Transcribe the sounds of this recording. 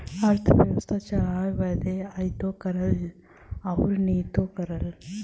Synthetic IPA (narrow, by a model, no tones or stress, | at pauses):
ɐɾt̪ʰɐʋjɐʋɐst̪ʰɐt͡ʃaajʋɐd̪eɐjt̪oːkɐɾɐl | ɐwɾniːt̪oːkɐɾɐl